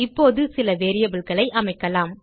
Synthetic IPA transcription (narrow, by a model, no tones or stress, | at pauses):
ɪpːoːðɯsɪlɐʋeːɾɪjɐbɪlkɐɭɐɪʔɐmɐɪkːɐlaːm